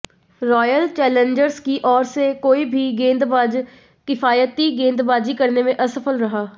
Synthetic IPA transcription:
ɾɔːjəlt͡ʃɛːlẽɲd͡ʒəɾskiːʔɔːɾsekoːiːbʱiːɡẽːnd̪bad͡ʒ | kɪfʰaːjət̪iːɡẽːnd̪baːd͡ʒiːkəɾneːmẽʔəsəpʰəlɾəɦaː

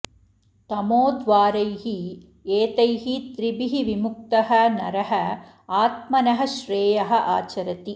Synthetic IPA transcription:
t̪ɐmoːd̪ʋaːɾɐjɦi | eːt̪ɐjɦit̪ɾibiɦiʋimuk̚t̪ɐɦɐnɐɾɐɦɐ | aːt̪̚mɐnɐɦɐ̆ʃɾeːjɐɦɐ̆ʔaːt͡ʃɐɾɐt̪i

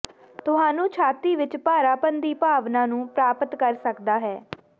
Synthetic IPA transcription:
t̪ʊɦãːnũːt͡ʃʰaːt̪iːʋɪt͡ʃpaːɾaːpənd̪iːpaːʋnãːnũːpɾaːpət̪kəɾsəkd̪aːɦɛː

